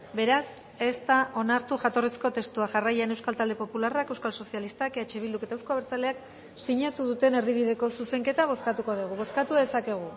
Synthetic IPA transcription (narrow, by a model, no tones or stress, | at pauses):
be̞ɾas | e̞st̪aʔo̞naɾt̪uʝat̪o̞resko̞t̪e̞st̪uaʝarajanewskalt̪ald̪e̞po̞pularakewskalso̞sialist̪akeet͡ʃe̞β̞ild̪uke̞t̪aewskoaβeɾt͡sale̞ak | siɲat̪uðut̪e̞ne̞ɾðiβiðe̞ko̞suse̞ŋke̞t̪aβ̞o̞skat̪ukoðuɣ̞uβo̞skat̪uðe̞sake̞ɣ̞u